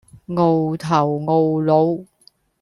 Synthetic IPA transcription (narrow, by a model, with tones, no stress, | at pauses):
ŋo˨˧wt̪ʰɐ˨˩wŋo˨˧wlo˨˧w